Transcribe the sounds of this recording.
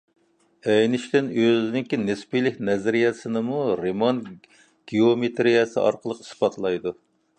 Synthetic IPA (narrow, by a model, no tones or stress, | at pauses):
ɛjnɪʃt̪ɪnøzɪnɪŋkʲinɪspijlɪkʲnɛzɾijɛsɨnɨmuɾemon | ɡ̥ʲiomet̪ʰɾijɛsɨ̰ʔɑ̰ɾqəlˠəqi̥spɑt̪ʰlˠɑjd̪u